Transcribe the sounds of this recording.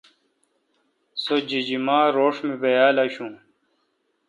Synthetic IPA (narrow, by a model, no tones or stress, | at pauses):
sod͡ʑid͡ʑimaːɾoːʂmibɐjaːlɐɕũː